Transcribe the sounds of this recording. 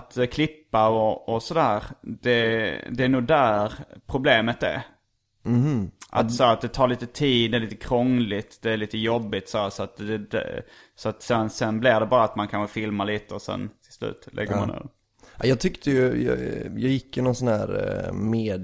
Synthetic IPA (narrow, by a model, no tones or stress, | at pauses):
t̪kʰlɪpːaɔɔsɔd̪æːɾd̪̥ɛd̪ɛːnuːɡd̪æɾpʰɾʊbleːmət̪ɛ̰ɾ̩ | hʔa̰t̪sɔhæːɾat̪̚d̪ɛt̪ʰɑːɾɭiːt̪ət̪ʰiːd̪ːɛliːt̪əkʰɾɔŋlɪt̪d̪ɛːɭiːt̪əjɔbːɪt̪sɔæːʂɔat̪d̪ɛd̪ɛ̰sɔat̪sɛnsɛnblɪd̪ɛbɑːɾaat̪mankʰanɧəfɪlmaɭiːt̪əɔsɛ̰nt̪ʰɪlslʉ̰ːt̪lɛ̰ɡəmmanḛd̰ | ʔajɑːt̪ʰʏkt̪əjɵj̰jɑjɪkːɪnɔnsɔnhæːɾmeːd̪